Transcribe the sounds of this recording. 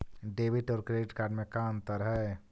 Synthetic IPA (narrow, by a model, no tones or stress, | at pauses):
ɖeːʋɪʈɔːɾkɾeːɖɪʈkaːɾɖmẽkaːnt̪əɾɦɛ